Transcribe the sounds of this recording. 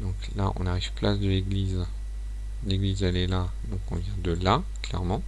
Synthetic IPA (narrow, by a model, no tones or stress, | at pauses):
d̪ɔ̃klaʔɔ̰̃naʁivplasd̪əleɡliz | leɡlizɛlɛla | d̪ɔ̃kɔ̰̃vjɛ̃d̪əla | klɛ̰ʁmɑ̃